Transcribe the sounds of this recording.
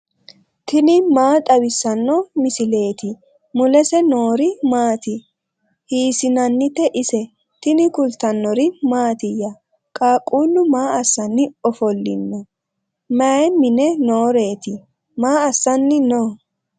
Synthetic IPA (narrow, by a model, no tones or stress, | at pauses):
t̪ɪnɪmaːt̪ʼɐbɪsːɐnːɔmɪsɪle̞ːt̪ɪ | mʊlɛsɛnoːɾɪmaːt̪ɪ | hiːsɪnɐnːɪt̪ːɛʔɪsɛ | t̪ɪnɪkʊlt̪ɐnːɔɾɪmaːt̪ɪjːɐ | kʼaːkʼuːlːʊmaːɐsːɐnːɪɔfɔlːɪ̰nːɔ | mɐmɪnɛnoːɾe̞ːt̪ɪ | maːɐsːɐnːɪno